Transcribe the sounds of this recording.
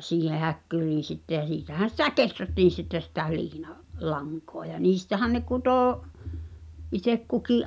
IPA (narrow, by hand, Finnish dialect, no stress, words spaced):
siːhe hækːyriːn̞ sitːe j̆æ siːtæhæn̞ sitæ ketrætːiːn̞ sitːe sitæ liːnɑ lɑŋkoɑ j̆ɑ niːstæhæn ne kutoˑ itek kukiʔ